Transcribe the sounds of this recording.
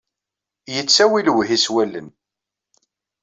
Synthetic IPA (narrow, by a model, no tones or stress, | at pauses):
jət͡sːæwilwɦiswælːə̰n